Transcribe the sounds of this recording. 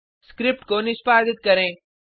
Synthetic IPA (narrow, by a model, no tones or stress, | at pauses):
skɾɪp̚ʈkoːnɪspaːɡɪt̪̚kɐɾẽː